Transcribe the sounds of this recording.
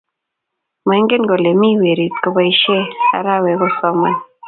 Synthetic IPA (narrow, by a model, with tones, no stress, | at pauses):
m˨ɛ˨˦ŋɡe˦nɡo˨le˨mi˦we˨ɾi˨t̚ko˨ba˦i˦ʃe˦a̰˨ɾa˦˨we˨ko˦sɔ˦ma˦n